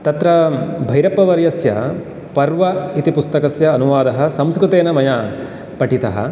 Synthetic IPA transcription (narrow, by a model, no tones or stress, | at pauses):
t̪ɐt̪ɾɐbʱɐjɾɐpːɐʋɐɾjɐsjɐ̰ | pɐɾʋɐit̪ipust̪ɐkɐsjɐːnuʋaːd̪ɐɦɐ̆sɐmskɾut̪eːnɐmɐja | pɐʈit̪ɐɦɐ̰